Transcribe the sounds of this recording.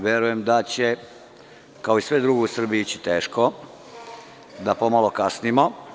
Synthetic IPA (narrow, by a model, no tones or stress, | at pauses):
ʋjeɾujemd̪at͡ɕe | kaoisʋed̪ɾuɡousr̩biit͡ɕi̥t̪eːʃko | d̪apo̞malokasnimo